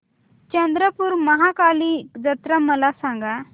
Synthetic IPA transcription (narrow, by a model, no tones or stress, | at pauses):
t͡ɕə̃nd̪ɾəpuːɾməɦakalid͡zət̪ɾaməlasãŋɡa